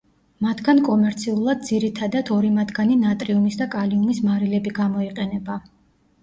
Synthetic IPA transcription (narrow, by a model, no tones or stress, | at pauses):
mat̪ʰɡankʼɔmɛɾt̪sʰiulˠad̪̚ziɾit̪ʰad̪at̪ʰɔɾimat̪ʰɡaninat̪ʼɾiumisd̪akʼaliumismaɾilɛbiɡamɔiqʼɛnɛba